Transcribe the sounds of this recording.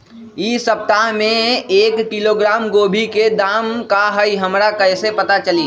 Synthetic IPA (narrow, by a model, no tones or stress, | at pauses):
isəp̚t̪aɦmẽeːkkiloɡɾaːmɡoːbʱiked̪aːmkaɦəiɦəmɾakəɪsepət̪at͡ʃəli